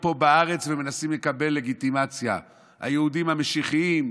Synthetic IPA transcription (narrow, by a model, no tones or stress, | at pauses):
po̞baaʁe̞t͡sveme̞nasimle̞kabe̞lːe̞ɡit̪imat͡sja̰ | ha̰jeud̪imhameʃiχiim